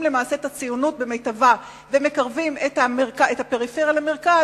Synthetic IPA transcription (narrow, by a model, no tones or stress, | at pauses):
mle̞maːse̞et̪at͡sijunut̚bemejtava | veme̞kaʁvimetameʁkaethapeʁifeʁjalameʁka